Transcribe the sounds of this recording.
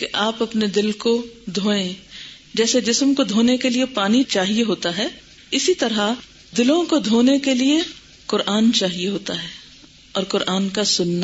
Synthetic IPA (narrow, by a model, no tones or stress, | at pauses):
keʔaːpɐpned̪ɪlkod̪ʱoːẽ | d͡ʒɛːsed͡ʒɪsmkod̪ʱoːnekeliepaːnit͡ʃaːɦieɦoːt̪aɦɛː | ɪsit̪ɐɾa | d̪ɪlõkod̪ʱoːnekelie | kʊɾaːnt͡ʃaːɦieɦoːt̪aɦɛː | ɔːɾkʊɾʔaːnkasʊnːa